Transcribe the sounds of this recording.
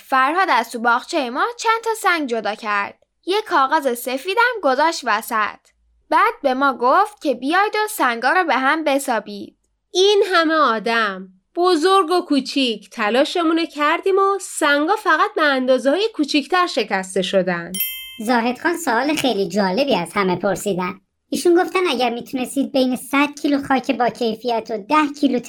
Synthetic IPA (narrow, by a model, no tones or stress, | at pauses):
fæɾhɒːd̪æst̪ubɒːɣt͡ʃʰejemɒːt͡ʃʰænt̪ʰɒːsæŋɡd͡ʒo̞d̪ɒːcʰæɾd̪̥̚ | jekʰːɒːɣɑːzese̞fiːd̪æmɡo̞zɒːʃt̪væsæ̰t̪ʰ | bæːd̪̥̚be̞mɒːɡoft̪̚cʰe̞bijɒːjd̪osæŋɡɒːɾɔːbe̞ɦæmbe̞sɒːbiːd̪̥̚ | iːnɦæmeɒːd̪æm | b̥ozoɾɡo̞kʰuːt͡ʃʰicʰt̪ʰælɒːʃe̞munocʰæɾd̪iːmosæŋɡɒːfæɣæt̪̚beænd̪ɒːzehɒːjekʰuːt͡ʃʰict̪ʰæɾʃe̞cʰæst̪e̞ʃo̞d̪ænd̪̥zɒːɦe̞d̪χɒːnsoɒːlexejlid͡ʒɒːle̞biːæz̥hæme̞pʰo̞ɾsiːd̪æn | iːʃunɡoft̪ænæɟæɾmiːt̪ʰune̞st̪iːd̪̚be̞jnesæd̪̥̚cʰiːluχɒːcʰebɒːcʰe̞jfijæt̪ʰod̪æhcʰiːlut̪ʰ